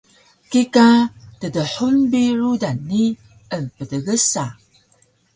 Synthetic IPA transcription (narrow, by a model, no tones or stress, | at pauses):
kikatədəħunbiɾudanːi | ənpədəɣəsa